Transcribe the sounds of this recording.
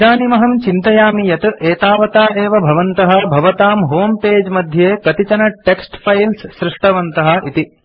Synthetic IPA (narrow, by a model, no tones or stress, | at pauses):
aːnimɐɦɐmt͡ʃint̪ɐjaːmijɐt̪ʔeːt̪aːʋɐt̪aːeːʋɐbʱɐʋɐnt̪ɐɦɐbʱɐʋɐt̪aːmɦoːmpeːd͡ʒmɐd̪ʱjeːkɐt̪it͡ʃɐnɐʈeksʈpʰɐjlssɾɪʂʈɐʋɐnt̪ɐɦɐʔit̪i